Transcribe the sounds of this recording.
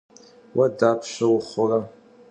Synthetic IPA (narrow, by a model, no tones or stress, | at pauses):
wʔadapʰʃʷawʊχara